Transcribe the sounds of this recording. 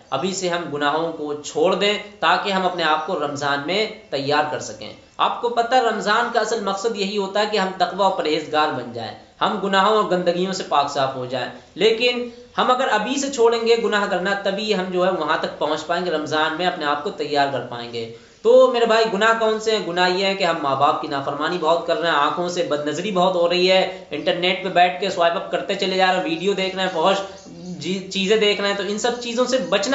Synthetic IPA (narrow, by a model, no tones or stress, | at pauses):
ɐ̰bʱiseɦɐmɡʊnaːɦõkot͡ʃʰoːɽd̪ẽːt̪aːkeɦɐ̃mɐpneaːp̚koɾɐmzaːnmẽt̪ɐjːaːɾkɐɾsɐkḛ̃ː | a̰ːp̚kopɐt̪aɦɛɾɐmzaːnkaɐsəlmɐqsəd̪jɐɦiɦoːt̪aɦɛkeɦɐ̃mt̪ɐqʋaɔːɾpɐɾɦeːzɡaːɾbɐnd͡ʒa̰ːḛ̃ː | hɐmɡʊnaːɦõɔːɾɡɐ̃nd̪əɡijõsepaːksaːfɦod͡ʒaːḛ̃ː | leːkɪn | hɐmɐɡəɾɐbʱiset͡ʃʰoːɽẽːŋɡeɡʊnaːɦkɐɾnat̪ɐbʱiɦɐmd͡ʒoːɦɛʋɐɦãt̪ɐk̚pɐɦʊ̃t͡ʃpaːẽːŋɡeɾɐmzaːnmẽɐpneaːp̚kot̪ɐjːaːɾkɐɾpa̰ːḛ̃ːŋɡḛː | t̪oːmeːɾebʱaːiɡʊnaɦkɔːnseɦɛ̃ɡʊnaɦjeɦɛ̃keɦɐmːaːbaːp̚kinaːfəɾmaːnibɔɦʊt̪̚kɐɾːaɦɛ̃ãːkʰõsebɐd̪nɐzɾibɐɦʊt̪ɦoɾɐɦiɦɛː | ɪ̃ɳʈəɾneːʈ̚pẽbɛːʈ̚ʰkesʋaːɪbɐp̚kɐɾt̪et͡ʃɐled͡ʒaːɾeɦɛ̃ʋiːɖijod̪eːkʰnaɛ̃pɐɦʊt͡ʃ | d͡ʒit͡ʃiːzẽd̪eːkʰnaɦɛ̃t̪oɪ̃nsɐb̚t͡ʃiːzõsebɐt͡ʃn